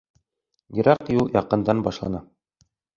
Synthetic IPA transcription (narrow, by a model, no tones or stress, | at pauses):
jɘ̆ɾɑqjulˠjɑqɤ̆nd̪ɑnbɑʃlˠɑnɑ